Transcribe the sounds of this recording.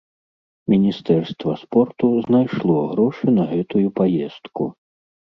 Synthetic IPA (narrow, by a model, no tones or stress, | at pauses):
mʲinʲist̪ɛrst̪vɐ̰spɔrt̪uznajʂlˠɔɣɾɔʂɨnɐɣɛt̪ujupajɛst̪kṵ